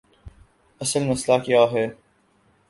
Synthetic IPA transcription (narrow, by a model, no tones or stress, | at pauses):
ɐsəlməslaːkɪjaːɦɛː